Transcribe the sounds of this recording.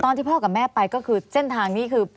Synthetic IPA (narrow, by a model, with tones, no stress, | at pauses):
t̪ɔː˧nt̪ʰiː˥˩ɔː˥˩kaː˨˩p̚mɛː˥˩pa˧jkɔː˥˩kʰɯː˧se˥˩nt̪ʰaː˧ŋniː˦˥kʰɯː˧